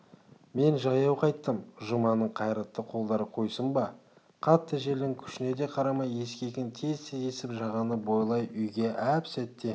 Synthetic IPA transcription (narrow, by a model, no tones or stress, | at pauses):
me̞nʒɑjɑwqʰɑjt̪ːəmʒʊmɑnəɴqʰɑjɾɑt̪ːəqʰo̞lˠd̪ɑɾəqʰo̞jsəmbɑ | qʰɑt̪ːəʒe̞ld̪ɪŋkʲʰʏ̥ʃɪne̞d̪e̞qʰɑɾɑmɑje̞skʲe̞kʲɪnt̪ʰezsezesɪpʒɑʁɑnəbo̞jlˠɑjʏjɡʲe̞ʔæpsæt̪ːe̞